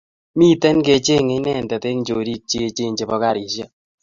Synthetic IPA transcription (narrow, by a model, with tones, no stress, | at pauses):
mi˦tɛ˦nke˧t͡ʃe˦ŋe˦nɛ˦˨ndɛ˨te˦ŋ˦d͡ʒo˨ɾi˦k̚t͡ʃe˦t͡ʃe˦ɲd͡ʒe˨bɔ˦ka˦˨ɾi˨ʃjɛ˦